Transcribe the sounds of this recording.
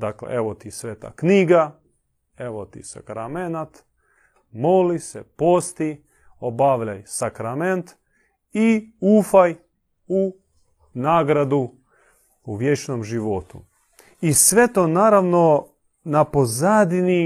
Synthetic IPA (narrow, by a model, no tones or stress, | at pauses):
d̪aklḛʔeʋot̪isʋeːt̪a̰kniːɡa | eʋot̪ḭsa̰kɾamenat̪ | molisepoːst̪i | obaʋʎajsakɾament̪ | iufaj | u | naːɡɾad̪u | uʋjet͡ʃnomʒiʋot̪ṵ | isʋe̞t̪onaːɾaʋno̞ | napozad̪ni